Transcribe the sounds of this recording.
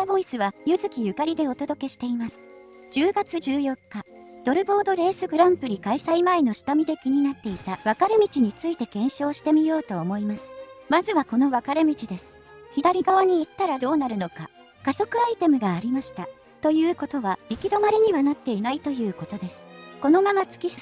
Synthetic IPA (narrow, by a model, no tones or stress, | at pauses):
abo̞isɨβajɯ̟zɨkʲijɯ̟kaɾʲid̪e̞o̞t̪o̞d̪o̞ke̞ɕi̥t̪e̞imasɨ̥ | d͡ʑɨːɡat͡sɨd͡ʑɨːjo̞kːa | d̪̥o̞ɾɯ̟bo̞ːd̪o̞ɾe̞ːsɨɡɯ̟ɾãmpɯ̟ɾʲikaisaimaeno̞ɕi̥t̪amʲid̪e̞kʲiɲ̟inat̪ːe̞it̪aβakaɾe̞mʲit͡ɕiɲ̟it͡sɨit̪e̞kẽ̞ɰ̃ɕo̞ːɕi̥t̪e̞mʲijo̞ːt̪o̞ːmo̞imasɨ̥mazɨβako̞no̞βakaɾe̞mʲit͡ɕid̪e̞sɨ̥ | çid̪aɾʲiɡaβaɲ̟iit̪ːaɾad̪o̞ːnaɾɯ̟no̞ka | kaso̞kɯ̟ait̪e̞mɯ̟ɡaːɾʲimaɕi̥t̪a | t̪o̞jɯ̟ːko̞t̪o̞βaɾʲikʲid̪o̞maɾʲiɲ̟iβanat̪ːe̞inait̪o̞jɯ̟ːko̞t̪o̞d̪e̞sɨ̥ko̞no̞mamat͡sɨ̥kʲis